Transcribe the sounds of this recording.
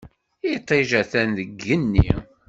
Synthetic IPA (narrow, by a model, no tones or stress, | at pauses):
it̪ˤːiʒæθænðəɡːənːḭ